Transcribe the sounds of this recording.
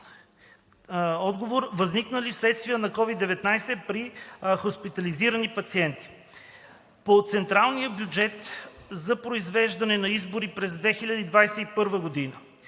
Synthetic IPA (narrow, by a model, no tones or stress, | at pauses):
ɔd̪ɡovoɾvɐzniknəlifslɛt̪st̪vijənɐkɔvid̪ːɛvɛt̪najsɛpɾixospit̪ɐliziɾənipɐt̪siɛnt̪i̥ | pot̪sɛnt̪ɾalˠnijəbjud͡ʒɛt̪zɐpɾoizvɛʒd̪ɐnɛnɐizboɾipɾɛzd̪vɛxilʲɐd̪əid̪vajsɛipɤɾvəɡod̪inə